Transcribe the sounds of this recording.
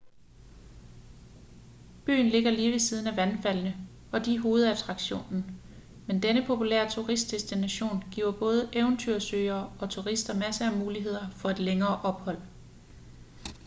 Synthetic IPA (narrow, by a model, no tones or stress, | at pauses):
b̥y̰ːn̩le̝ɡ̥ɐliːʋe̝siːð̞ˠn̩æʋænfæl̰nə | ɒ̽d̥iɦo̝ːð̞̩ˠæt͡sʰʁɑ̈ɡ̥ɕo̝̰ːnn̩ | mend̥enəpʰo̝pulḛɐ̰t͡sʰuʁisd̥esd̥inæɕo̝̰ːnɡ̥ḭːʊɐb̥ɔ̽ːð̞ˠəʔeʊnt͡sʰyɐ̰søɪɐːɒ̽t͡sʰuʁisd̥ɐmæsəæmuːliɦe̝ð̞̰ˠɐfɒ̽e̝d̥leŋɐːʔɒ̽b̥hɒ̽l̰